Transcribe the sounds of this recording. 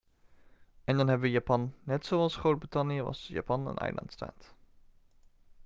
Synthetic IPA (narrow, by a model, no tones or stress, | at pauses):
ʔɛndɑnɦɛbəʋəjaːpɑnːɛtsowɑlˠsχrowd̚britɑnjəʋɑ̰sja̰pɑnə̰nʔɛ̰jlʔɑ̰ntsta̰ːt